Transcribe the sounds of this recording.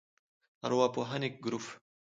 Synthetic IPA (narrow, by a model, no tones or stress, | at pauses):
ɐ̰ɾwapoɦanik̚ɡɾuf